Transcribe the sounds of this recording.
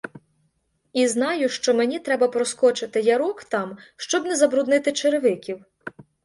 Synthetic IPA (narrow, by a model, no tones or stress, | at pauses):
iznɑjʊʃt͡ʃɔmenʲit̪ɾɛbɐpɾɔskɔt͡ʃɪt̪ɪjɐɾɔkt̪ɑmʃt͡ʃɔbnɛzɐbɾʊd̪nɪt̪ɪt͡ʃeɾeʋɪkʲiw